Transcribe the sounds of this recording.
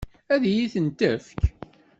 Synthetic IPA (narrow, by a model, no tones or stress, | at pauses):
æðjiθənt̪əfk